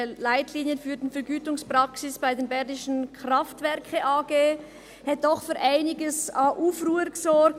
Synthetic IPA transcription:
laɪtliːnjənfyːɐdnfɛɾɡyːtʊŋsprɑksɪsb̥aɪdeːnbɛʁdɪʃən̩kraftvɛɾkʰəʔaːɡ̥eː | hɛt̚d̥ɔχfyːɾʔaɪnɪɡəsaːʔuːfruːəɾɡəsɔɾk̚

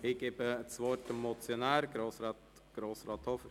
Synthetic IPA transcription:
ɪɡ̥ebət͡sʋɔɾtəmɔt͡sjonæːɾɡ̥ɾoːsɾɑːt̪ | ɡ̥ɾoːsɾɑːt̪hɔfəɾ

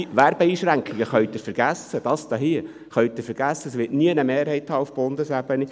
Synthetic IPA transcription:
ʋæɾb̥ɛiːʃɾæŋkχɪɡəχœɥt̪ɪɾfɛɾɡ̥æsːəd̥ɑsd̥̪ɑɦiə | χœɥt̪ɪɾfəɾɡ̥æsːəsʋɪtniənəmeːɾhɛɪthɑːufb̥ond̪əsæb̥əni

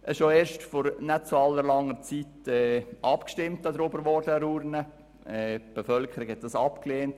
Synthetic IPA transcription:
ʔɛʃoeːɾʃtfɔɾnɛt̚t͡suɑlːəɾlɑŋːəɾt͡sitɛʔɑpkʃtɪmtɑdəɾobəɾʋɔɾdəɾuːɾnə | ɛːb̥əfœlkʰəɾikhɛt̚d̥ɑsɑpkleːnt

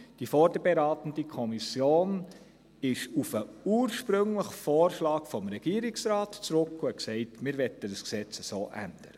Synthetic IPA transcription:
d̥ifɔɾd̥əɾbɛɾɑːtən̩dikʰɔmisjoːn | ɪʃufəuːɾʃpɾɵŋləχfoːɾʃlɑːkfɔmɾɛɡ̥iːəɾɪksɾɑːtt͡sɾʊkːuɛksɛɪtmɪɾʋɛtədəsksɛt͡səsoːʔæ̰nd̥əɾə

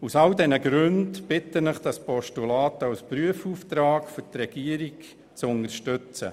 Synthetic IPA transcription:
usɑldɛnəɡɾʉndb̥ɪtənəχd̥ɑspɔʃtulɑːtəɑwspɾyəfuːft̪ɾɑːkfɔtɾɛɡ̥iəɾik | t͡sʊnəɾʃtʉt͡sə̰

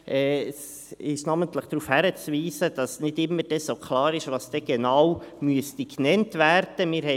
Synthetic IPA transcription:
ʔɛːs | ɪʃnɑːməntləχd̪̥ɾuːfhæɾət͡sviːsəd̥ɑsnɪdɪmːəɾd̥ɛsokʰlɑːɾɪʃʋɑːsd̥ɛɡ̥enawmyəstiknɛntvæɾd̥əmɪːɾhɛ

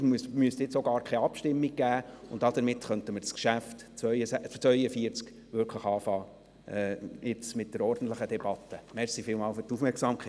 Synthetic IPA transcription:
smyəstɪt͡soɡɑːɾkʰɛjɑpʃtɪmːiɡ̚ɡ̥æːʊntɑd̥̪əɾmɪtχœntəməɾt͡skʃæft | t͡sʋœʏəst͡sʋœʏəfiəɾt͡sk | ʋʏɾkʰləχɑːfɑː | ʔɛɪt͡smɪt̚d̥əɾɔɾd̥n̩t̪ləχəd̥̪ɛb̥ɑt̪ːəmɛɾsifɪːlmɑːlfʏɾtufmɛɾksɑːmkχɛ

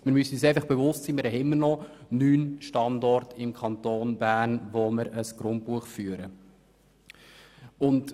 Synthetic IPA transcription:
mɪɾmysyːseɪfɑχb̥ɛvʊstsiːmɪɾɛɪmːərnɔnyːnʃtɑndɔrtɪmkʰχɑntoːnbæːnʋoməɾəsɡ̥ɾʊnt̚puəχfyːəɾə | ʊnd

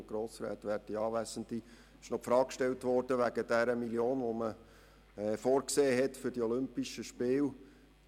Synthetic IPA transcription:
ɡ̥ɾoːsɾɛ̰ːt̪ʋætiɑːʋæsənd̪i | ɪʃnɔpfɾɑːkkʃtɛltʋɔrd̥əʋæɡ̥əd̥æɾəmiljoːnʋomə | ɛːfoːɾkseːɦɛtfʏɾdiɔlʏmpiʃəʃpɪːl

